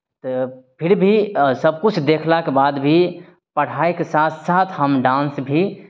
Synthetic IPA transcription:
t̪ɔpʰɪɾbʱisəb̚kut͡ʃʰd̪ekʰlakebad̪bʱi | pəɽ̤aekesat̪ʰsat̪ʰhəmɖãnsbʱi

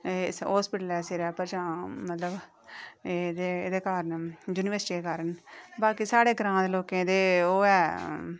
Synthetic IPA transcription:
ɦoːspɪʈəlɛːseɾɛːpəɾd͡ʒãːmət̪ləb | ed̪eːed̪eːkaːɾənjuːnɪʋəɾsɪʈiːeːkaːɾənbaːkiːsaːɽeːɡɾãːd̪eloːkẽːd̪eːoːɛː

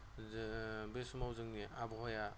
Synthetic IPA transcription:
besumawzɯŋniabɔɦɔja

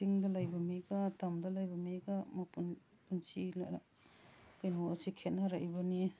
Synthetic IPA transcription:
siŋdɐlajbɐmiɡatamdɐlajbɐmiɡamɐpun | punsilaɾa | kajnoosikʰet̚naɾajbɔni

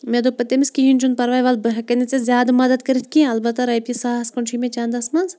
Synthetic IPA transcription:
meːd̪opɐt̪emiskiɦinʲd͡ʒunpɐɾʋaːjʋaːlbɨɦɐkɐnet͡sezʲjaːd̪mɐd̪ɐd̪̚kɐɾit̪ʰkʲĩɐlbɐt̪ɐɾɐjpisaːskɐɳt͡ʃʰimẽt͡ʃand̪ɐsmɐnz

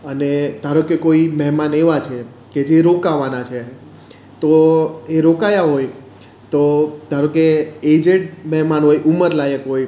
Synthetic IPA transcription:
əned̪̥ʱaɾokekoimɛɦmaneʋat͡ʃʰe | ked͡ʒeɾokaʋanat͡ʃʰe | t̪oeɾokajaɦoj | t̪od̪̥ʱaɾokeed͡ʒeɖmɛɦmanɦojʔuməɾlajəkɦoj

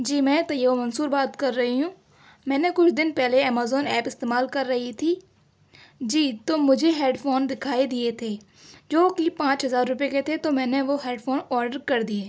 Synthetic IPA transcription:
d͡ʒiːmɛ̃ːt̪ɐjəʋomɐnsuːɾbaːt̪kɐɾːɐɦiɦũː | mɛ̃ːnekʊt͡ʃʰd̪ɪnpɛɦleɛːmaːzɔːnɛːpɪst̪eːmaːlkɐɾːɐɦit̪ʰiː | d͡ʒiːt̪omʊd͡ʒʱeɦeːɖfoːnd̪ɪkʰaːid̪iet̪ʰeː | d͡ʒoːkipãːt͡ʃɦɐzaːɾːʊpeket̪ʰet̪omɛ̃ːneʋoɦeːɖfʰoːnɔːɾɖəɾkɐɾd̪ieː

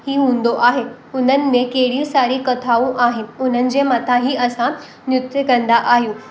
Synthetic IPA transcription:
hiːɦũːn̆d̪oʔaːɦe | ʊn̤ənɪ̆mẽkɐɦɪɽ̤isaːɾikɐt̪ʰaːũʔaːɦɪnɪ̆ʊn̤ənɪ̆d͡ʑeːmaːt̪ʰaɦiːɐsã | njʊt̪jəkɐ̃nd̪aʔaːɦijũː

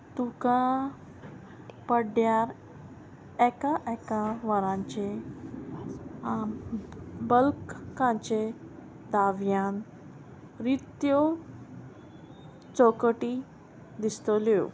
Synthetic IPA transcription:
t̪ukã | pəɽjaɾ | ɛkaʔɛkaʋəɾãɲt͡ɕe | bəlkkãɲt͡ɕe | d̪aʋjan | ɾit̪jo | t͡sɔkʈi | d̪ist̪ɔlo

